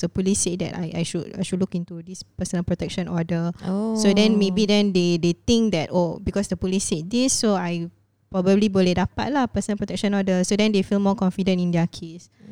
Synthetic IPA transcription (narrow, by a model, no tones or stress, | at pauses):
d̥əpulisːet̚dɛ̰ta̰jʔa̰jʃuda̰jʃud̚lukĩntudispəsə̃nəlpɹotɛk̚ʃə̃nɔdəsodɛ̃nmebidɛ̃ndedet̪ĩŋk̚dɛt̚obikɔsdəpuliset̚disːoaj | pɹɔbəbliboledapa̰t̚lapəsə̃nəlpɹotɛk̚ʃə̃nɔdəsodɛ̃ndefilmɔkɔ̃nfidə̃ntĩndɛəkʰes